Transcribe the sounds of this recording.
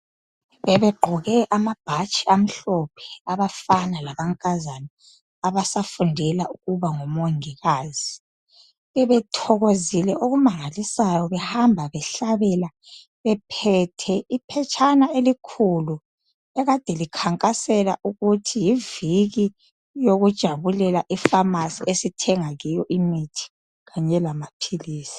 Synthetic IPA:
βɛβɛɡ͡ǃʱɔɣɛʔamab̥ʱat͡ʃʼiam̩ɬɔpʰɛ̥aβafanalaβaŋkʼazani | aβasafundʱɛlaʔuɣuβaŋɔmoŋiɣaːzi | βɛβɛtʰɔɣozilɛʔoɣumaŋalisajɔβɛhambʱaβɛɬaβɛla | βɛpʰɛtʰɛʔipʰɛt͡ʃʼʰanaelikʰulu | ɛɣad̥ʱɛlikʰaŋkʼasɛla̰ʔuɣutʰijiviɣi | joɣud̥ʒ̥ʱaβulɛlaʔifamasiʔesitʰɛŋaɣijɔʔimitʰi̥ | ɣaɲɛlamapʰiliːsi̥

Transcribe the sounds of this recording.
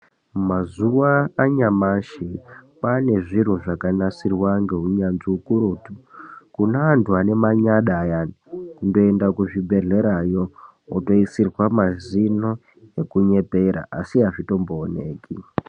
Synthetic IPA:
mazuwaːɲamaʃipane̞ʐin̤uʐakanasirwaŋɡe̞ɦuɲanziukuɾuːtu̥kunaːntʰuane̞maɲaɗaja | kundo̞endakuʐibʱe̞ɮe̞ɾajo̞ | oto̞isirwamazino̞ | ekuɲe̞peɾa̰ʔa̰siɦaʐito̞mboːnḛːki

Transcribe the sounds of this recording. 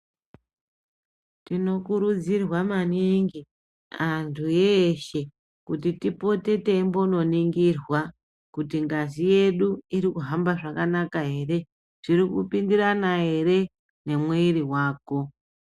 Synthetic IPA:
tino̞kuɾud͡zirwamaniŋɡi | antʰujeʃe̞ | kutitipo̞te̞te̞mbo̞no̞niŋɡirwa | kutiŋɡazije̞ɗuiɾikuɦambaʐakanakaɦe̞ːre̞ | ʐ̥iɾikupindiranaɦe̞ɾe̞ | ne̞mweiriwaːko̞

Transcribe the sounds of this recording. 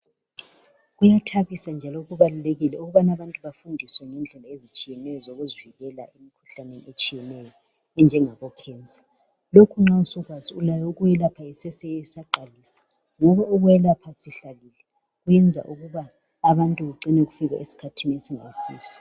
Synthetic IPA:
ɣujatʰaɣisand͡ʒʱalɔɣuβaluleɣilɛuɣuβanaβantʼuβafundʱiswɛŋind͡ɮʱɛlaezit͡ʃʼijɛnɛjɔzoɣuziviɣɛla̰emikʰu̥ɬaneniet͡ʃʼijɛnɛjɔ | ɛnd͡ʒʱɛŋaɣɔkʰɛːnd͡zʱḁ | lokʰuŋ͡ǁausɔɣwaziulajɔuɣujɛlapʰaisɛsɛɛsaǃalisḁ | ŋɔβauɣujɛlapʰasiɬalilɛ | ɣujɛnd͡zʱa̰ʔuɣuβaː | βantʼuɣuǃinɛɣufiɣa̰ʔesi̥kʰatʰiniesiŋa̰isḭːsɔ̥

